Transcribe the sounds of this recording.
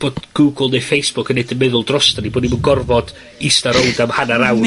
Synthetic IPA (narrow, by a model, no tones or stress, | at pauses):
b̥oːdɡ̥uːɡlˠnefejsb̥ʊkʰənejdənmɪðʊlˠdrɔstaniboːdnimunɡɔrvɔd̥ | ɪstaɾɔldamhanaɾaw